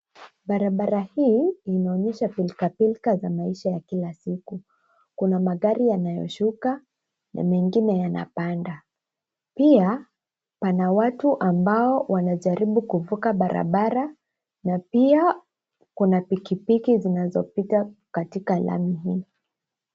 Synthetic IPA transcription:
ɓaɾaɓaɾahiːnaɔɲɛʃapilkapilkazamaiʃajakilasiku | kunamaɠaɾijanajɔ̰ʃuka | na̰mɛŋɡinɛjana̰panda | pia | panawatuʔambaɔwanaʄaɾiɓukuvukaɓaɾʔa̰ɓaɾa | napia | kunapikipikizinazɔpitakatikalʔa̰miɦi

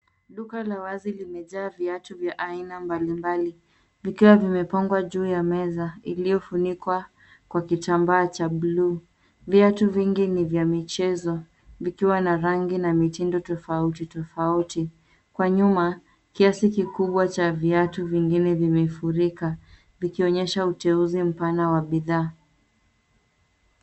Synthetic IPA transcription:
ɗukalawazilimɛʄaːviatuvjaʔainambalimbali | vikiwavimɛpaŋɡwaʄuːjamɛzailijɔfunikwa | kwakitambaːt͡ʃaɓluː | viatuviŋɡinivjamit͡ʃɛzɔ | vikiwanaɾaŋɡinamitindɔtɔfautitɔfauti | kwaɲuma | kiasikikuɓwat͡ʃaviatuviŋɡinɛvimɛfuɾika | vikiɔɲɛʃautɛuzim̩panawaɓiðaː

